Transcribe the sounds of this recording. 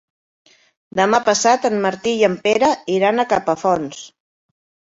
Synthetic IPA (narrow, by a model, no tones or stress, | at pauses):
d̪əmapəsat̪ənməɾt̪ijəmpeɾəiɾanəkapəfɔns